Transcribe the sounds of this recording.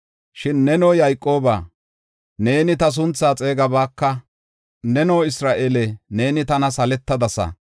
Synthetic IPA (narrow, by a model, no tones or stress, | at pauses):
ʃɪnːɛnoːjɐjkʼːo̞ːba̰ː | ne̞ːnɪt̪ɐs̬ʊnt͡sːaːt͡sʼe̞ːɡɐbaːkːɐ | nɛnoːɪsɾaːʔeːlɛne̞ːnɪt̪ɐnɐsɐlɛt̪ːɐd̪ɐsɐ̰